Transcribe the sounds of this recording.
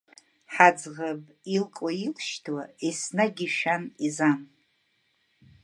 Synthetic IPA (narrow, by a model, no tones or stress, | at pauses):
ħad͡zʁabʼ | ilkʼailʃtʰwaisnaɡʲiʃᶣanizan